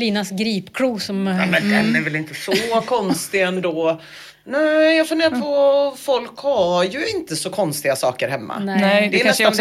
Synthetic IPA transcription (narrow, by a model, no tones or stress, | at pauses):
liːnasɡɾiːpkʰɾuːsɔmmɛnd̪ɛnæɾvɛlɪnt̪əsɔkʰɔnst̪ɪɛnd̪oː | nʉːjɑfɵnd̪eːɾapʰɔfɔlkhajɵɪnt̪əsɔkʰɔnst̪ɪɡasɑ̰ːkəɾɦɛmːa̰ɛd̪ɛnɛan